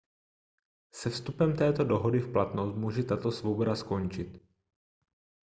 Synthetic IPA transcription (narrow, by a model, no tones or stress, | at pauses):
sɛfst̪upɛmt̪ɛːt̪o̞doɦo̞dɪfplat̪nost̪̚muːʒɛt̪at̪o̞svobo̞dasko̞nt͡ʃɪt̪